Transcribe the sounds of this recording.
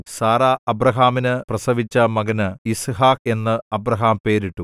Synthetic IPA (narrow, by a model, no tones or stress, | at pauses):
saːɾaːɐbɾɐɦaːminɨprɐsɐʋit͡ɕːɐmɐɡɐnɨisɦaːk̚e̞nːɨɐbrɐɦaːmpe̞ːɾiʈːu